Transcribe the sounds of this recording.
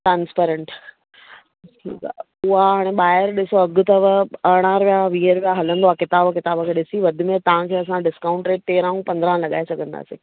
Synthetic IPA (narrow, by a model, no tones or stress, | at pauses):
ʈɾãːnspeːɾə̃ɳʈ | ʈʰḭːka̰ | ʊɦaɦaːɽ̃eɓaːɦɪɾɗɪsoɐɡʊ̆t̪ɐʋɐɽ̃ãɾʋijaʋiːəɾʋijaɦɐlə̃nd̪oakɪt̪aːbkɪt̪aːbəkʰeːɗɪsiʋɐd̪ʱʊmẽt̪ɐʋ̤ãkʰeːɐsãɖɪskaːʊ̃ɳʈɾeːʈ̚t̪eːɾãːũpɐ̃nd̪əɾãlɐɠa̰ːesɐɡʱə̃nd̪a̰ːsḛː